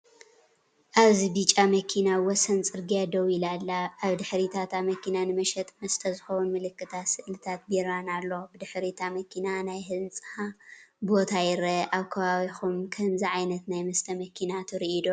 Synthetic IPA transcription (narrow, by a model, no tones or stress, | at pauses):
ʔaβzibit͡ʃʼamɐkʰinawɔsɐnt͡sʼɨɾɡijad̪ɐwilalːaʔːβd̪ɨħɾit̪ʰat̪ʰamɐkʰinanɨmɐʃɛt̪ʼmɐst̪ʰɐzɨxɐwunmɨlɨkːɨt̪ʰat̪sɨʔlɨt̪ʰat̪̚biɾanalːobɨd̪ɨħɾit̪ʰamɐkʰinanajɦɨnt͡sʼɨhabo̞t̪ʰajɪɾɐʔaβkʰɐβaβixumkʰɐmziʕajnɐt̪najmɐst̪ʰɐmɐkʰinat̪ʰɨɾiʔid̪o